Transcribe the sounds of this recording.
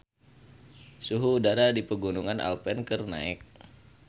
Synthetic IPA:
suɦuːdaɾadipəɡunuŋanʔa̰lpɛnkərna̰ɪk̚

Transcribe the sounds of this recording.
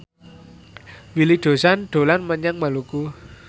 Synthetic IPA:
wilid̪̥o̤sanɖ̪̥o̤lanməɲaŋmaluku

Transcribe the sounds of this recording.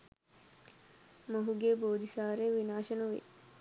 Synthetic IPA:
moɦuɡeboːd̪ʱisaːɾeʋinaːʃənəʋḛ

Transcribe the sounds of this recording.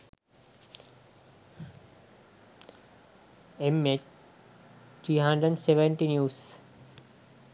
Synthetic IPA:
emet͡ɕ | ʈɾiːɦãɳɖɾəɖseʋə̃ɳʈinjuːs

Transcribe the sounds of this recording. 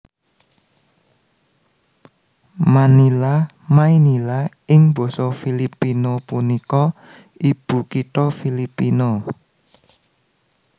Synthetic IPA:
manila | mainila | ɪŋb̥ɔ̤sɔfilipinopunikɔ | ib̥ṳkiʈɔfilipino

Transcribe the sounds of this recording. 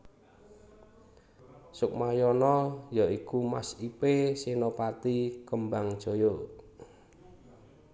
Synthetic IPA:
sʊk̚majɔnɔjɔʔikumasipesinopat̪ikəmbaŋd̥ʒ̥o̤jo

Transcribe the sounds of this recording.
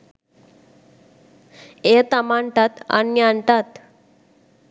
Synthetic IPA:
et̪amaɳʈ̪at̪a̰nːiaɳʈ̪at̪

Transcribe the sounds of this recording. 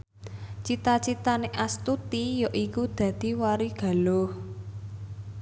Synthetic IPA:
t͡ʃit̪at͡ʃit̪aneʔast̪ut̪ijɔʔikud̪̥ä̤d̪̥i̤waɾiɡ̥a̤loh

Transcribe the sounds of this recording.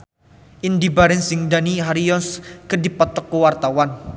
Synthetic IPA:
ʔindibaɾɛnsɪŋdaniɦaɾijɔnskədipɔt̪ɔkːuwart̪awan

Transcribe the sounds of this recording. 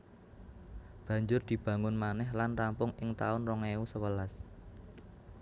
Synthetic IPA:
b̥ä̤ɲd͡ʒʊrd̪̥i̤b̥ä̤ŋʊnmanɛhlanrampʊŋɪŋt̪a̰ʊnrɔŋeusəwəlas

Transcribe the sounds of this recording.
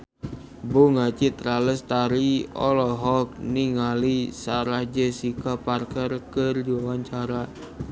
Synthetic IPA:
boŋat͡ʃit̪əɾaləst̪aɾiɔ̰lɔɦɔk̚niŋalisaɾahd͡ʒəsikaparkərkərdiwawaɲt͡ʃaɾa

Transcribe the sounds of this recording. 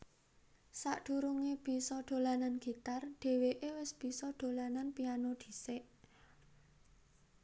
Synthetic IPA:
saʔɖ̪̥ṳɾuŋeb̥i̤sɔɖ̪̥o̤lananɡ̥i̤t̪arɖ̪̥e̤weʔewɪsb̥i̤sɔɖ̥o̤lananpianod̪̥i̤seʔ

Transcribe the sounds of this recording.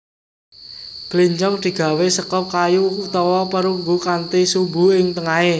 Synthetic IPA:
b̥liɲt͡ʃɔŋd̪̥i̤ɡ̥a̤wesəkɔp̚kajuut̪ɔwɔpəɾuŋɡukant̪isubṳɪŋt̪əŋae

